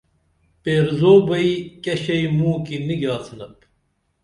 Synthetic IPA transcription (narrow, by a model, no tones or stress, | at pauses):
peːɾzoːbɐikɐɕɐjmuːkiniɡaːsɨnɐp